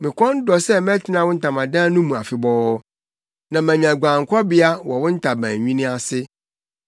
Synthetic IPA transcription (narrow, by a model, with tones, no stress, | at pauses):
mɪ̃˨kʰɔ̃˦n˦dɔ˨sɛ˦m˦ɛ̃˦tʰɪ˨˦nã˨˦wʊ̃˦n̩˦tʰa˨mã˨dã˦nũ˦mũ˨a˨fɪ˨bɔ˦ | nã˨mæ̃˨ɲã˨ɡʷã˨ŋ˨kʷʰɔ˦bɪ˦a˦wɔ˨wʊ̃˦n̩˦tʰa˨bæ̰̃˨ɲᶣĩ˦nɪ̃˦a˨sɪ˦